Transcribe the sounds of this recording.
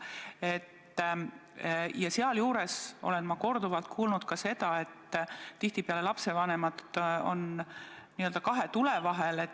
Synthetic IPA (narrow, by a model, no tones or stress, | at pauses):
e̞t̪ː | jɑseɑljuːɾe̞so̞̰le̞nmɑko̞rd̪uvɑlt̪̚kʰuːlnud̪̥̚kɑse̞d̪̥ɑe̞t̪ːt̪ːiht̪ipeɑle̞lɑpse̞vɑne̞mɑd̪o̞̰n | niːøld̪ɑkɑɦe̞t̪ulevɑɦele